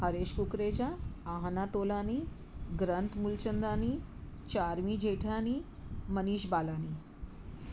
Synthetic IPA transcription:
həɾeɕkukɾed͡ʑaːɦnat̪olani | ɡɾənt̪mult͡ɕənd̪aniː | t͡ɕaɾʋiːd͡ʑeʈʰaniːməniːɕbalaniː

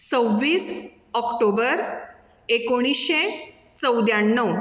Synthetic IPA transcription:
t͡səʋːiːs | ɔkʈobəɾ | ekoɽ̃isɕe | t͡səwd̪jaɳːəw

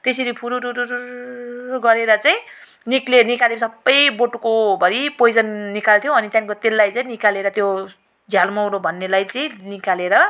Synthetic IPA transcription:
t̪eseɾipʰuɾuɾuɾuɾu | ɡʌɾeɾʌt͡saj̃ | niklenikalesʌbːʌjboʈukobʱʌɾipojd͡zʌnːikalt̪ʰjõʌnit̪jãnkot̪elːajt͡saj̃nikaleɾʌt̪jo | d͡zʱjalmʌwɾobʱʌnːelajt͡saĩnikaleɾʌ

